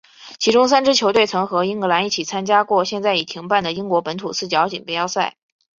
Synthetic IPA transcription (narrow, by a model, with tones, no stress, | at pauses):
t͡ɕʰi˧˥ʈ͡ʂʊ˥ŋsa˥nʈ͡ʂɻ̩˥t͡ɕʰjo˧˥ʊt̪we˥˩ɪt͡sʰɤ˧˥ŋxɤ˧˥i˥ŋɤ˧˥la˧˥ni˥˩t͡ɕʰi˨˩t͡sʰa˥nt͡ɕja˥kwɔ˥˧˩ɕjɛ˥˧nt͡sa˥˩ɪi˨˩t̪ʰi˧˥ŋpa˥˩nd̪ə˩i˥ŋkwɔ˧˥pə˧˥nt̪ʰu˨˩t͡sʰɹ̩˥˩t͡ɕjɑ˧˥ʊt͡ɕḭ˨˩ŋpɛ˥˧jɑ˥˧ʊsa˥˩ɪ